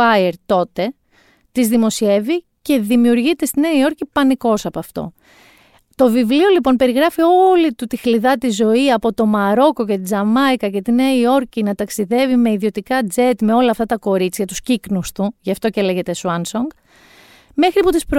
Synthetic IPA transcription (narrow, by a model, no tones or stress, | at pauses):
ɐjeɾt̪o̞t̪e̞ | t̪izðimo̞sie̞vi | ce̞ðimiuɾʝit̪e̞st̪ineio̞ɾcipɐniko̞sɐpoɐft̪o̞̰ | t̪o̞vivlio̞lipo̞npe̞ɾiɣɾɐfio̞lit̪ut̪ixliðɐt̪izo̞iɐpo̞t̪o̞mɐɾo̞ko̞ce̞t̪id͡zɐmɐjkɐce̞t̪ineio̞ɾcinɐt̪ɐksiðe̞vime̞iðio̞t̪ikɐd͡ze̞t̪me̞o̞lɐːft̪ɐt̪ɐko̞ɾit͡sçɐt̪usciknust̪uʝɐft̪o̞celeʝe̞t̪e̞suɐnsoŋɡ | me̞xɾiput̪ispɾo